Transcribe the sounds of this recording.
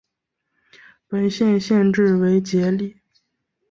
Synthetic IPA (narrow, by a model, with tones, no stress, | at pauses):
pə˨˩nɕjɛ˥˧nɕjɛ˥˧nʈ͡ʂɻ̩˥˩we˧˥ɪt͡ɕjɛ˧˥li˥˩